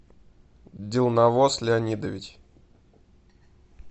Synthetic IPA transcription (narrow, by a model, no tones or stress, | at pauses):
dʲɪlˠnɐvoslʲɪɐnʲid̪əvʲɪtʲ